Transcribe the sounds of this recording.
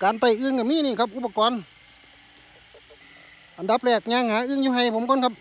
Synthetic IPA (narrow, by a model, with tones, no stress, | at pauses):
kaː˨nt̪a˧˩jʔɯː˧˨ŋka˧˩miː˧˥˨niː˧˩kʰa˦˥p̚ʔu˧˩pːa˧kɔː˨n | ʔa˨nda˧˦˥p̚lɛː˧˩k̚ɲaː˧˩ŋhaː˨˦˥ʔɯː˧˥˨ŋjuː˧ɦa˧˩jpʰo˨˧˦mkʰo˧˥˨nkʰa˦˥p̚